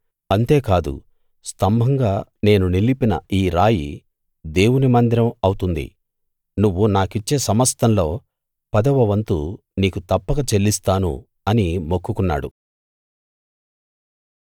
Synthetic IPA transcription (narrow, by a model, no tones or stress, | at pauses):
ɐnt̪e̞ːkaːd̪ṵ | st̪ɐmbʱɐŋɡaːne̞ːnunilipinɐ̰iːɾaːjḭ | d̪e̞ːwunimɐnd̪iɾɐmɐwut̪und̪ḭ | nuʋːunaːkit͡ʃːe̞ːsɐmɐst̪ʰɐnlo̞ː | pɐd̪ɐʋɐʋɐnt̪ṵ | niːkut̪ɐpːɐɡɐt͡ʃe̞lːist̪aːnṵ | ɐnimokːukunːa̰ːɽṵ